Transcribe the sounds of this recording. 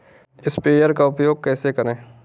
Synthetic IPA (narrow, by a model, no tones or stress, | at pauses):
ɪspeːjəɾkaʊpjoːɡ̚kɛːsekɐɾẽː